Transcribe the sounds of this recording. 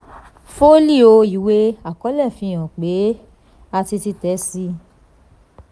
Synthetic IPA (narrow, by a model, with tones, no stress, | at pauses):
fo˦li˦˨o˧i˨we˦a˨kɔ˨˦lɛ˦˨fĩ˧˦j̃ɔ̃˨k͡pe˨˦ | a˧ti˧ti˧tɛ˨˦si˧